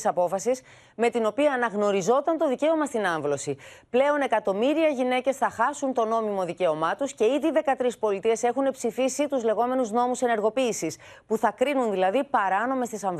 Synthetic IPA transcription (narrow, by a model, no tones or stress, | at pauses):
sɐpo̞fɐsis | me̞t̪ino̞piɐːnɐɣno̞ɾizo̞t̪ɐnt̪o̞ðice̞o̞mɐst̪inɐɱvlo̞siple̞o̞ne̞kɐt̪o̞miɾiɐʝine̞ce̞sθɐxɐsunt̪o̞no̞mimo̞ðice̞o̞mɐt̪usce̞iðiːðe̞kɐt̪ɾispo̞lit̪ie̞se̞xune̞psifisit̪uzle̞ɣo̞me̞nuzno̞muse̞ne̞ɾɣo̞piːsis | puθɐkɾinunðilɐðipɐɾɐno̞me̞st̪isɐɱv